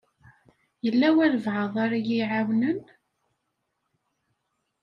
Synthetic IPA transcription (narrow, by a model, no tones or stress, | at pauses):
jəlːæwæɾəvʕəðˤɑɾajiʕawnən